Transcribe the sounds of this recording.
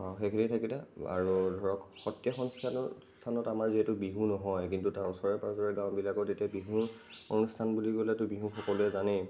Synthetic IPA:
ɔxekʰinitʰakitaa̰ɹudʱɔɹɔkxɔtːjaxɔnstʰan | stʰanɔtamaɹziɦɛtʊbiɦũnɔɦɔjkintutaɹusɔɹɛpazɔɹɛɡãw̃bilakɔtetiabiɦũɹ | onustʰanbuliɡolɛtʊbiɦũxɔkɔlʊɛzanɛ

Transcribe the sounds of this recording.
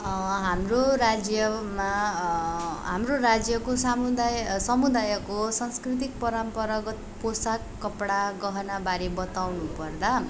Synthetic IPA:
ɦamroɾad͡zjʌma | ɦamrorad͡zjʌkosamud̪ajsʌmud̪ajʌkosʌnskrit̪̬ik̚pʌɾampʌɾaɡʌt̪posakːʌpɽaɡʌɦʌnabaɾebʌt̪awnupʌrd̪a

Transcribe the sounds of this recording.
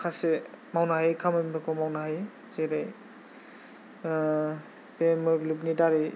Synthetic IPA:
kʰasemawnahajkʰamɯjmɯkʰɔmawnaɦaj | z̥eɾaj | pemɯblubnidaɾi

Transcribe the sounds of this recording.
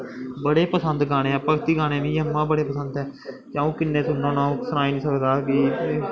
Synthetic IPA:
bəɽeːpəsənd̪ɡaːñẽːɛːpəkt̪iːɡaːneːʋĩːəmːãːbəɽeːpəsənd̪ɛːt͡ʃjãːũːkɪnːẽːsʊnːãːnãːsnaːiːnĩːsəkd̪aːkiː

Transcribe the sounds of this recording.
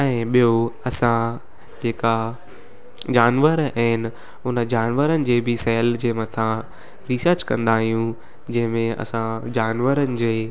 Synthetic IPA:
ɛ̃ːɓijoɐsã | d͡ʑeːka | d͡ʑaːnʋəɾaɦɪnɪ̆ | ʊnəd͡ʑaːnʋəɾənɪ̆d͡ʑeːbɪsɛːld͡ʑeːmɐt̪ʰã | ɾɪsəɾd͡ʑkɐ̃nd̪aːɦijũ | d͡ʑɐ̃ɦɪ̃mẽɐ̰sãd͡ʑaːnʋəɾənɪ̆d͡ʑeː

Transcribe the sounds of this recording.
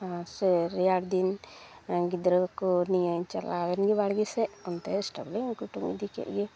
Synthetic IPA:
ãsɛɾɛaɽd̪in | ɡid̪ɾəkɔnijaɲt͡ʃalawɛnɡɛbaɽɡɛsɛʔɔnt̪ɛsʈabliŋkuʈuŋḭd̪ikɛ̰ʔ̚ɡɛ

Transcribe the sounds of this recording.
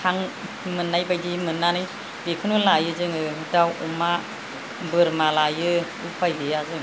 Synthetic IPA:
kʰaŋ | mɯnːajbajdimɯnːanɯj | bekʰɯnulajɯzɯŋɯdawuma | bɯɾmalajɯ | upʰajbɯjazɯŋ

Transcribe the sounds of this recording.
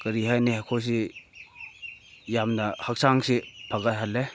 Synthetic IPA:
kɐɾiɦajnihakʰos̬i | jamnahak̚saŋsipʰaɡatɦale

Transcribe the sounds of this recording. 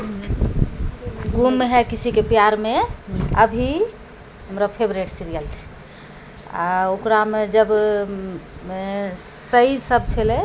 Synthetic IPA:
ɡumːeɦɛkisʰikepijaɾmeə̰bʱi | ɦəmɾapʰebɾeʈsiɾijəlt͡ʃʰɛ̥ | a̰okɾamed͡ʒəb | səisəb̚t͡ʃʰɛlɛ

